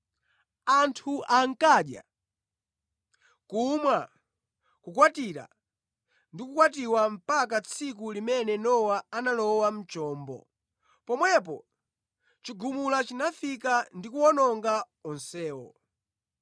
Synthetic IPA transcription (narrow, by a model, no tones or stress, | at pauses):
antʰuʔaŋ̩kaɗja̰ | kumwa | kukwatiɾa̰ | ndikukwatiwam̩pakat͡sʰik̬ulimɛnɛnɔwaanalɔwam̩t͡ʃɔːmbɔ̰ | pɔmwɛpɔ̰ | t͡ʃiɡumulat͡ʃinafikandikuwɔnɔŋɡa | ɔnsɛːwɔ̰